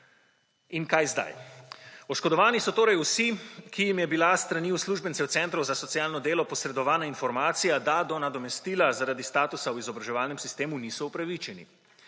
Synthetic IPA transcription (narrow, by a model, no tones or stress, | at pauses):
inkajzd̪a̰j | ɔʃkɔd̪ɔʋaːnisɔt̪oːɾajusikijimjɛbilast̪ɾaniːusluːʒbɛnt̪sɛwtsɛnt̪ɾɔzasɔt̪sijaːlnɔd̪eːlɔpɔsɾɛd̪ɔʋaːnainfɔɾmaːt̪sijad̪ad̪ɔnad̪ɔmɛst̪iːlazaɾad̪ist̪aːt̪usawizɔbɾaʒɛʋaːlnɛmsist̪eːmuniːsɔupɾaʋit͡ʃɛnḭ